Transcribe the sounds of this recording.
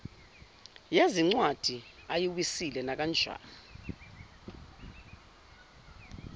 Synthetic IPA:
jeziŋ͡ǀwad̥ʱiajiwisilɛnak̬ʼand͡ʒʱwa̰ː

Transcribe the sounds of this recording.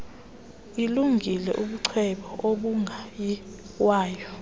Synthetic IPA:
iluŋʱilɛ̰ʔuɓuǀʰɛɓɔʔoɓuŋʱaji | waːjɔ

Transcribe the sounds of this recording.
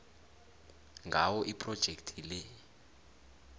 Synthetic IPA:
ŋɡʱawɔʔipʼrɔd̥ʒ̥ʱektʰile

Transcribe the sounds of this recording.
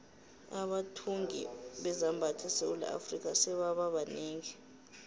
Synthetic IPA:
aɓatʰuŋʱḭɓɛzambʱatʰɛsewulɛ̰ʔa̰frikʼasɛɓaɓaɓaneːŋi

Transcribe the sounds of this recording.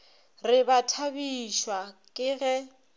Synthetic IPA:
rɪbatʰabiʃwakʼɪɣɛ

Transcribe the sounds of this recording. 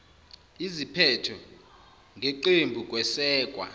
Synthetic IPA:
izipʰɛtʰɔ | ŋɡʱeǃembʱukʼwɛsɛːkʼwa̰

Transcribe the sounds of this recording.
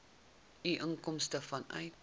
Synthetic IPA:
iʔəŋkɔmstəfɐnʔɐ̰jt

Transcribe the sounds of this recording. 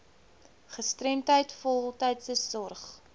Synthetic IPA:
χəstrɛmtəjtfɔlˠtəjtsəsɔrχ

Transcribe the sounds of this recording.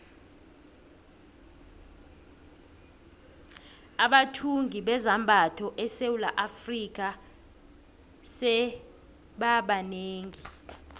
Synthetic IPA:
aɓatʰuŋɡʱiɓɛzambʱatʰɔʔɛsewula̰ʔafrik̬ʼa | sɛ | ɓaɓaneːŋi

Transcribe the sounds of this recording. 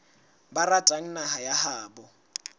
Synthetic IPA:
baratʼaŋ̩naɦajahaːbɔ

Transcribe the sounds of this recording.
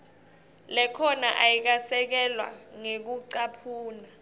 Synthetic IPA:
lɛkʰɔna̰ʔajik̬asɛk̬ɛlwa̰ŋek̬uǀapʰuːna

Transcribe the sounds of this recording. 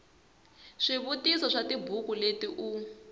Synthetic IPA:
ʂiβutisɔʂatibʱukuletiʔu

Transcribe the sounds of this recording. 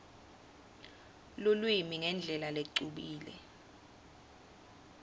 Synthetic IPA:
lulwimiŋɛnd͡ɮʱɛlaleǀuɓiːlɛ̰

